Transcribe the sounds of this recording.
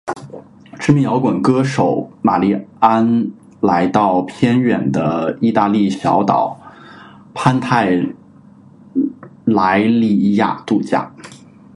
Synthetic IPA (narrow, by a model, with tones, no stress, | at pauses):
ʈ͡ʂɻ̩˥mi˧˥jɑ˧˥ʊkwə˨˩nkɤ˥ʂo˨˧˩ʊma˨˩li˥˩a˥n | la˧˥ɪt̪ɑ˥˩ʊpʰjɛ˥nɥɛ˨˩nd̪ə˦i˥˧t̪a˥˧li˥˩ɕjɑ̰˧˥ʊt̪ɑ̰˨˩ʊ | pʰa˥nt̪ʰa˥˩ɪ | la˧˥ɪli˥˧i˥˧ja̰˥˧t̪u˥˧t͡ɕja̰˥˩